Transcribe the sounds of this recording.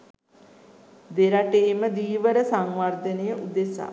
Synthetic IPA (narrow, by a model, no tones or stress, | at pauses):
d̪eɾaʈeːməd̪iːʋəɾəsaŋʋard̪ənejəʔud̪esa̰